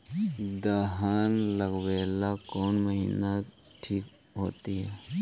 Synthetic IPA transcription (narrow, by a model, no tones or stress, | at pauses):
d̪əɦaːnləɡwɛːlakɔːnməɦiːnaʈʰiːk | ɦoːt̪iɦɛː